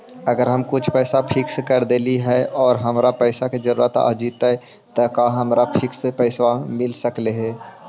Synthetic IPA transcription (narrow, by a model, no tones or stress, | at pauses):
ɐɡəɾɦɐmkʊt͡ʃʰpɛːsapʰɪksekɐɾd̪eːliɦɛɔːɾɦɐmɾapɛːsaked͡ʒəɾuːɾət̪a̰ːd͡ʒiːt̪aɛ | t̪ɐkãɦɐmɾapʰɪksepɛːsamɪlsəkleɦɛː